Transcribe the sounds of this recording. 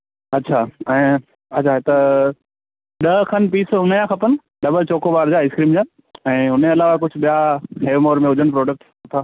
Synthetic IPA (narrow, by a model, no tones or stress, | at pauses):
ɐtːɕʰaɛ̃ː | ɐt͡ɕʰaɦet̪ɐ | ɗɐkʰɐnpiːsʊnjãkʰɐpənɪ̆ | ɗɐbəlt͡ɕoːkoʋaːɾd͡ʑaːɪskɾiːmd͡ʑaː | ɛ̃ːɦʊn̤eɐlaːʋakʊd͡ʑʱʊ̆ɓijaɦeːʋmoːɾmẽʊd͡ʑʱəɽ̃p̬ɾoːɖək̚ʈ | ɐt̪ʰaː